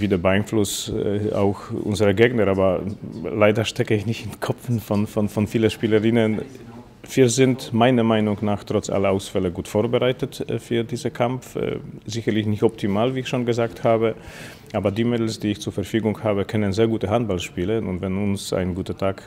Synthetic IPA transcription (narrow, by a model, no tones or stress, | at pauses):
viːdəɐbəaɪnflʊsa̰ʊxʔʊ̰nzəʁəɡeːɡnəʁaːbɐlaɪdɐʃtʰɛkəɪçnɪçtɪnkʰɔfn̩fɔnfɔnfɔnfiːləʃpiːləʁɪnən | v̥iːɐzɪntmaɪnɐmaɪnʊŋnaːχtʁ̥ɔt͡sʔa̰lɐaʊsfɛləɡuːtfoːɐbəʁaɪtətfyːɐdiːzəkʰamfzɪçɐlɪçnɪçtɔp̚tʰimaːlviːɪçʃoːnɡəzaːkthaːbə | ʔaːbɐdiːmɪtl̩sd̥iːɪçt͡suːɐfɛɐfyːɡʊŋhaːbəkʰœnənzeːɐɡuːtəɦant̚b̥alʃpiːlənʊ̰ntvɛnʊnsa̰ɪnɡuːtɐtʰaːk